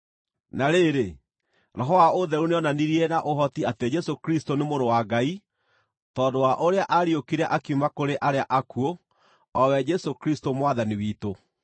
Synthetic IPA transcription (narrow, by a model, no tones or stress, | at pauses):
naɾeːɾe | ɾɔɦɔaoðɛɾuneɔnaniɾiɛnaʔoɦɔtiated͡ʒɛsokɾistonemoɾowaɡai | tɔːndowaʔoɾeaʔaɾiokiɾɛʔakiumakoɾeʔaɾeaʔakuo | ɔwɛd͡ʒɛsokɾistomwaðaniwiːto